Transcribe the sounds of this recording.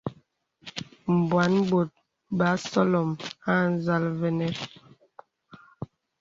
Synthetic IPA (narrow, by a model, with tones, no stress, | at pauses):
m̩˨bwa˨˦nbo˨t̚ | ba˨˦sɔ˦lɔ˨ma˦˨n˦za˦lvɛ˦nɛ˦